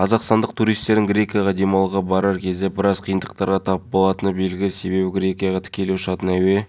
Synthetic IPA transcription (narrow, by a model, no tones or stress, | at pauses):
qʰɑzɑqst̪ɑnd̪əq̚t̪ʰuɾijst̪e̞ɾd̪ɪŋɡɾʲe̞kʲijaʁɑd̪emɑlˠəʁɑbɑɾɑɾkʲʰe̞zd̪e̞bɪɾɑzqʰijənd̪əq̚t̪ɑɾʁɑt̪ʰɑpəp̚bo̞lˠɑt̪ənəbe̞lɡʲɪlɪse̞be̞bɪɡɾʲe̞kʲijɑʁɑt̪ʰɪ̥kʲe̞leʊʃɑt̪ənæwe̞